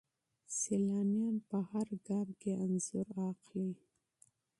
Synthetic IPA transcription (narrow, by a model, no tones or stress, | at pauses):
selɑnjɑnpəhaɾɡɑmkeanz̥ʊɾɑqli